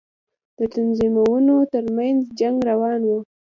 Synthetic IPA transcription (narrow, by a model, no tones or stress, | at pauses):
d̪̥ət̪anzimawunot̪əɾmanzd͡ʒaŋɡɾawɑnwu